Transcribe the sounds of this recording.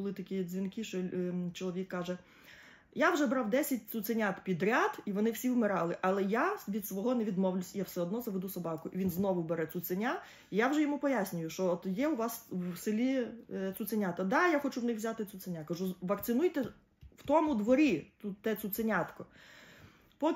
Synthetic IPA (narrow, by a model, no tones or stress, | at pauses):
ʊlˠɪt̪ɐkʲijɛzʲʋʲinkɪʃɔt͡ʃɔlˠɔʋʲikːɑʒɛ | jawʒɛbɾɑwd̪ɛsʲɐt̚ʲt͡s̪ʲʊsenʲat̪pʲid̪ɾʲad̪iʋɔnɪwsʲiwmɪɾɑlˠɪʔɐlˠɛjaʋʲid̪sʋɔɦɔnɛʋʲid̪mɔwlʲʊsʲjawsɛɔd̪nɔzɐʋed̪usɔbɑkʊʔiʋʲinznɔʋʊbɛɾɛt͡s̪ʲut̪senʲa | ijawʒɛjɔmupɔjasʲnʲʊjʊʃt͡ʃɔɔt̪jɛʊʋɑswsɪlʲit̪ʲut̪senʲat̪ɐd̪ɑjaxɔt͡ʃuwnɪxʋzʲat̪ɪt͡s̪ʲʊt̪senʲakɐʒuʋɐkt̪sɪnujt̪ɛ | w̥t̪ɔmʊd̪ʋɔɾʲit̪ut̪ːɛt͡s̪ʲut̪senʲat̪kɔ | pɔ